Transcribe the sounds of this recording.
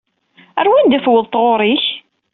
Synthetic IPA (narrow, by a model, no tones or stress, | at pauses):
æɾwind̪æfwəðˤt̪ˤʁoɾˤiç